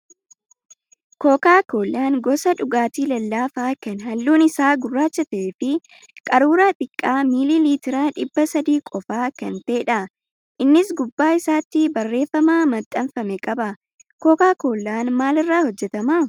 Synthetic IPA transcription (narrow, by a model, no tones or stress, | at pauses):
ko̞ːkaːko̞ːlːaːnɡɔsɐᶑʊɡaːt̪iːlɐlːaːfaːkɐnɦɐlːuːnɪsaːɡʊrːaːt͡ʃːɐt̪ɐeːfɪ | kʼɐɾuːɾaːt̪ʼɪkʼːaːmiliːliːt̪ɪɾaːᶑɪbːɐsɐd̪iːkʼɔfaːkɐnt̪e̞ːᶑɐ | ʔɪnːɪsɡʊbːaːɪsaːt̪ːɪbɐrːe̞ːfːɐmaːmɐt̪ʼːɐnfɐmɛkʼɐbɐ | koːkaːko̞ːlːaːnmaːlɪrːaːhɔd͡ʒːɛt̪ɐma